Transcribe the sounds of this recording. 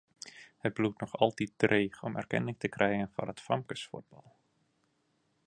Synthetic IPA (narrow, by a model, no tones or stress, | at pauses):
hət̚blutnɔχɑlˠtit̚dreːxɔmɛ̰rkɛ̰nɪŋtəkrʔɛjɣənfɔ̰nətfɑmkəsfṵd̚bɑlˠ